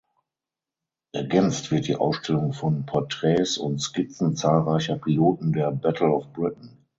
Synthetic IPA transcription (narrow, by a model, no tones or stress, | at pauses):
ʔɛɐɡɛnt͡stv̥ɪɐt̚d̥ḭːʔa̰ʊsʃtʰɛlʊŋfɔnpʰɔɐtʁ̥ɛːsʊntskɪt͡sn̩t͡saːlʁaɪçɐpʰiloːtn̩deːɐbɛtʰl̩ɔfb̥ʁɪtn̩